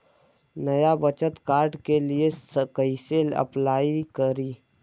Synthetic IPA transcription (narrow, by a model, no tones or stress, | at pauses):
nɐjabət͡ʃət̪kaːɾɖkeliesəkəɪseːlə̰plaːikəɾiː